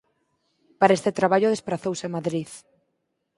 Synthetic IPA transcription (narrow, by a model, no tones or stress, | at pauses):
paɾaest̪et̪ɾaβ̞aʎʊðespɾaθowsemaðɾið